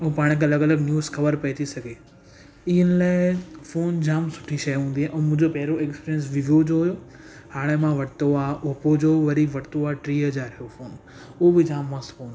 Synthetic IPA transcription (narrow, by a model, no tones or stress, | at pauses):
upaːɽ̃ek̬ɐləɡɐləɡnjuːzxɐʋəɾpɐit̪ʰisɐɡʱe | ɪɦənɪ̆laːɪfoːnd͡ʑaːmsʊ̥ʈʰiʃɐjɦũːnd̪iaːʔɛ̃ːmʊ̃ɦɪ̃ɲd͡ʑopɐɦɪɾoekspiːɾiəns̬ʋɪʋijod͡ʑoɦʊjo | haːɽ̃emãʋɐʈɪt̪oaːʔopod͡ʑoːʋɐɾiʋɐʈɪt̪oaːʈɾiːɦɐd͡ʑaːɾɪjofoːn | ʊɦobɪd͡ʑaːmːãsfõːn